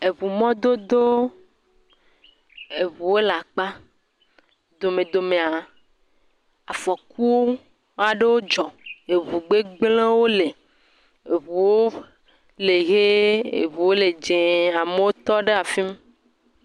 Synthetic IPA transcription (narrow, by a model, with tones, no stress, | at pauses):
e˨βu˨mɔ̃˦d̪o˦d̪o˦ | e˨βu˨wo˦la˨k͡pa˦ | d̪o˨mẽ˨d̪o˨mẽ˨a˨ | a˨fɔ˨ku˦wo˦ | a˨ɖe˦wo˦d͡ʒɔ˨e˨βu˨ɡ͡be˦ɡ͡blẽ˦wo˦le˨ | e˨βu˨wo˦ | le˨ɣe˦ḛ˨βu˨wo˦le˨d͡ʒẽ˨a˨me˦wo˦t̪ɔ˦ɖe˦a˨fi˦m˦